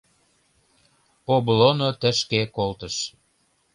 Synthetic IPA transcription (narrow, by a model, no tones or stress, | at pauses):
oblonot̪ə̆ʃkekolt̪əʃ